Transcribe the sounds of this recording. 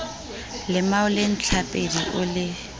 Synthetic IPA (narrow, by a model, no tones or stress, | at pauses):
lɪmaʊlen̩t͡ɬʰapʼediʔʊlɪ